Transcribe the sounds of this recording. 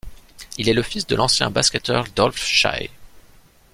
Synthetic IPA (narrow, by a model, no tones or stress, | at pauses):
ilɛləfisd̪ə̰lɑ̃sjɛ̰̃baskʲɛt̪œʁd̪ɔlfʃa̰j